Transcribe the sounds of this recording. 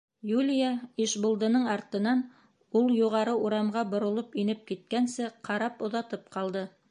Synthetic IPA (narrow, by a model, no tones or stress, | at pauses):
julʲijaiʃbŏlˠd̪ɤ̆nɤɴɑɾt̪ɤ̆nɑn | ulˠjuʁɑɾɤuɾɑmʁɑbŏɾŏlˠopinɘp̚kit̪̚kænsɘqɑɾɑpŏðɑt̪ɤp̚qɑlˠd̪ɤ